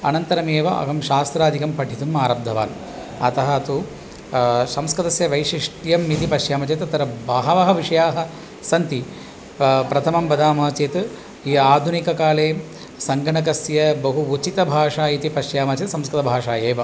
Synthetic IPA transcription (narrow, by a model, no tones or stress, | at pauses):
ɐnɐnt̪ɐɾɐmeːʋɐʔɐ̰ɡɐmʃaːst̪ɾaːd̪ʱikɐmpɐʈʰit̪umaːɾɐb̚d̪ʱɐʋa̰ːn | ɐt̪ɐɦɐɐt̪u | sɐmskɐd̪ɐsjɐʋɐjʂiʂʈjɐmːit̪ipɐʃjaːmɐt͡ʃeːt̪ɐt̪ɐɾɐbaːɦɐʋɐɦɐʋiʂɐjaːɦɐ | sɐnt̪i | pɾɐt̪ʰɐmɐmbɐd̪ʱaːmɐɦɐt͡ʃeːt̪ | iaːd̪ʱunikɐkaːleː | sɐŋɡʱɐɳɐk̬ɐsjɐbɐɦuut͡ʃit̪ɐbʱaːʂaːit̪ipɐʃjaːmɐt͡ʃet̪sɐmskɐt̪ɐbʱaːʂaːjeːʋɐ